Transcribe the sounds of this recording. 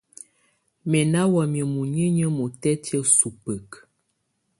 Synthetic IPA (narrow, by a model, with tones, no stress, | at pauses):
mɛ˨na˦wɔ˨mi˨mu˨ɲə˦ɲə˦mo˨tɛ˦tə˦su˨pə˨k